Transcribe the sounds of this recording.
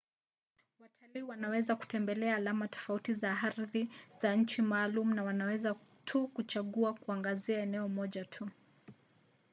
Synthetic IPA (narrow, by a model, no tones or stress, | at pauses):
watʰaliːwanawɛzaku̥tɛmbɛlɛaːlamatɔ̥fautizaaɾðiz̥aɲ̩t͡ʃimaːlumunawanawɛzatʰukut͡ʃaɠuakuaŋɡaziaɛnɛɔmɔʄatʰu